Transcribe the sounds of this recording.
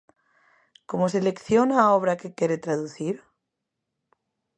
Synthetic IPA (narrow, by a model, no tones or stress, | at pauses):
ko̞mosele̞kθjonaoβ̞ɾake̞kjeɾet̪ɾaðuθiɾ